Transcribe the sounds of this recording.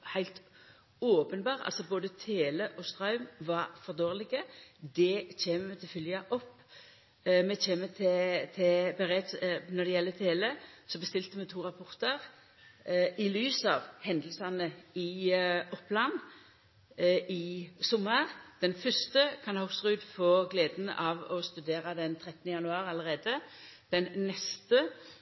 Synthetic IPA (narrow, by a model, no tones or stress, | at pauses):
hæɪlt̪ | oːpənbɑːɾɑ̰lsɔboːd̪ət̪ʰeːləʔɔst̪ʁɑʉmʋɑɾfɔʁd̪oːʁlɪɡəd̪ɛçeːməmɛt̪ʰɪlfʏljɑʔɔpː | mɛçeːmət̪ʰɛt̪ʰɪbɛʁɛt̪nɔd̪ɛjɛlːət̪ʰeːləsɔbəst̪ɪlt̪əmɛt̪ʰuːɾɑpʰɔʁt̪əʁ | ɪlyːsɑʋhɛnd̪əl̩sɑnəɪɔpːlɑn | ʔɪsɔmːəʁd̪̥ɛnfœst̪əkʰɑnhaʊsʁʉːd̪foːɡleːd̪n̩ɑʋɔst̪ʉd̪eːɾɑd̪ɛnt̪ʰɾɛt̪ːənəjɑnʉɑːʁɑləʁeːd̪əd̪̥ɛnːɛst̪ə